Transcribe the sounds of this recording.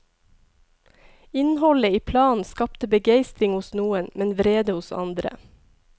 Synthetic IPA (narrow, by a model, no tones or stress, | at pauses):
ɪnhɔləiːpʰlɑːn̩skɑpt̪əbəɡeɪst̪ɾɪŋhʊsnuːənmɛnʋɾeːd̪əhʊsɑ̰nd̪ɾə̰